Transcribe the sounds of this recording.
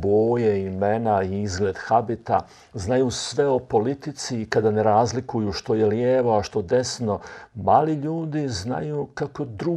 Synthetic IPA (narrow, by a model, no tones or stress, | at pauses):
boːjeimenaiizɡle̞ːd̪xabit̪a̰ | znajusʋe̞o̞po̞lit̪it̪sikad̪ane̞ɾaːzlikujuʃt̪o̞je̞ljeːʋo̞aʃt̪o̞d̪e̞sno̞maːliʎuːd̪izna̰jukako̞d̪ɾu